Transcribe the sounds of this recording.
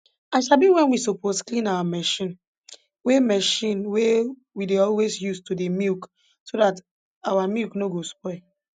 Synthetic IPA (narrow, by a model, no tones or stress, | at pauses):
aɪʃalbiwɛ̃nwisoposklĩnawamɛʃĩn | wemɛʃĩnwe | wideɔlwesjustudemik | sodat | awamiknoɡospɔɪ